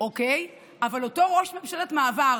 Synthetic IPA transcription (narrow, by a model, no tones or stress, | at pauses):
okej | avalo̞to̞ʁo̞ʃmemʃeletmaːva